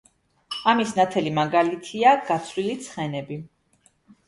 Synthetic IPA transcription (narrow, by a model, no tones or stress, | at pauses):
amisnat̪ʰɛlimaɡalit̪ʰiaɡ̥at̪sʰlilit̪sʰχɛnɛbi